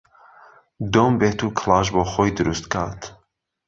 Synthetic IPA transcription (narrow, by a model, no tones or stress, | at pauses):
d̪ombet̪ʰukʰlˠaːʒbɔxojd̪ɨɾust̪kʰa̰ːt̪